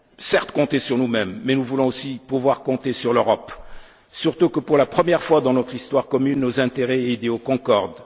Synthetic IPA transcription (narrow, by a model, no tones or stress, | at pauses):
sɛʁt̪kɔ̃t̪esyʁnumɛmːɛnuvulɔ̃osipuvwaʁkɔ̃t̪esyʁløʁɔp | syʁt̪ukəpuʁlapχəmjɛʁfwad̪ɑ̃nɔt̪χist̪waʁkɔmynːozɛ̃t̪eʁɛid̪eokɔ̃kɔʁd̪